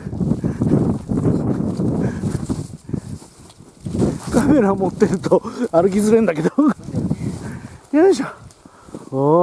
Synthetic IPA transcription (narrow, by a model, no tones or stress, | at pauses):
kame̞ɾamo̞t̪ːe̞ɾɯ̟t̪oaɾɯ̟k̬ʲizɨɾẽ̞nd̪ake̞d̪o | jaɕa | o